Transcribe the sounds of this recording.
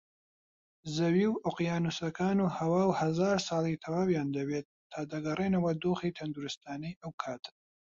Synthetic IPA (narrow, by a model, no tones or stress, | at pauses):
zɐwiːwʔoqjaːnusɐkʰaːnuːhɐwaːwhɐzaːɾsɑːlˠit̪ʰɐwaːwjaːnd̪ɐwet̪̚ʰːaːd̪ɐɡɐreːnɐwɐd̪oːxiːt̪ʰɐnd̪uɾɨst̪aːnijʔɐwkʰaːt̪ʰ